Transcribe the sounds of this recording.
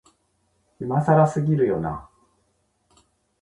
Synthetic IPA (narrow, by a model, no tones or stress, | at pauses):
imasaɾasɨɡʲiɾɯ̟jo̞̰na̰